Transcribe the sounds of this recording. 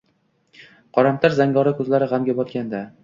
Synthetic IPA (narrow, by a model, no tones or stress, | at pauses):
qʰɒɾamt̪ʰaɾzaŋɡɒɾakʰɵzlaɾɪʁamɡʲabɒt̪̚kʲand̪a